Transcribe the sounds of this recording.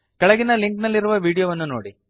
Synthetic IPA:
kɐɭɐɡinɐliŋknɐlːiɾuʋɐʋiːɽijoʋɐnːunoːɽi

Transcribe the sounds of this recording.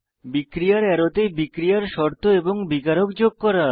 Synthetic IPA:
bikɾijaɾɛɾot̪ebikɾijaɾʃɔɾt̪ʰoeboŋbikaɾokd͡ʑoɡ̚kɔɾa

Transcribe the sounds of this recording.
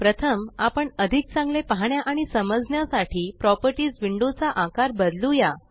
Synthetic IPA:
pɾət̪ʰəmapəɳəd̪ʱik̚t͡sãŋɡlepəɦɳjaʔaɽ̃isəməd͡zɳjasaʈʰiːpɾɔpəɾʈiːd͡zʋiɳɖot͡saʔãkaɾbəd̪luja

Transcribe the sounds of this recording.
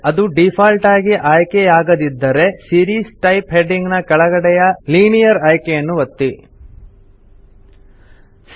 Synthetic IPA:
ɐd̪uɖipʰaːlʈaːɡiʔaːjkejaːɡɐd̪id̪ːɐɾe̞siːɾiːsʈɐjpɦeɖiŋɡnɐkɐɭɐɡɐɽɛjɐliːnijɐɾaːjkejɐnːuʋɐt̪ːi | s

